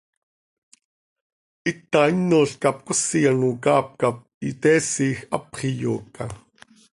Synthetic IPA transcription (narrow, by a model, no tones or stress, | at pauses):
ʔit̪ːainːoːɬkɑp̚kʊsijanukɑːp̚kap̚it̪ɛːsiːxɑ̰pχijoːkːa̰